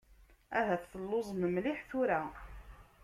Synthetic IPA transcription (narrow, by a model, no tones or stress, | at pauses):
æɦæθːəlːozˤməmliħθʊɾæ